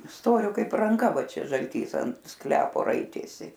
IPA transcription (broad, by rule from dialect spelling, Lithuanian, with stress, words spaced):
ˈstoːrʲoː ˈkɐɪp rɐŋˈkɐ ˈʋɐ ˈt͡ʃʲɛ ʒɐlʲˈtʲiːs ɐnt ˈsklʲæːpoː ˈrɐɪtʲeːsʲɪ